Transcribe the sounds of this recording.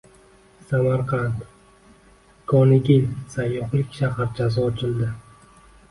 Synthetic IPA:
samaɾqʰɑnt̪ | kʰɒnɪɡʲɪlʲsajːɒχlɪkʲʃaɦaɾd͡ʒʰazɒːt͡ʃʰɪld̪ɪ

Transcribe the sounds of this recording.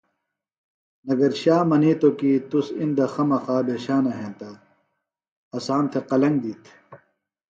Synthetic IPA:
nɐɡɐɾɕaːmɐniːt̪okiːt̪usind̪ɐxɐmɐxaːbʱeːɕaːnɐɦẽːt̪aː | ɐsaːnt̪ʰeqɐlɐ̃ŋɡd̪iːt̪ʰ

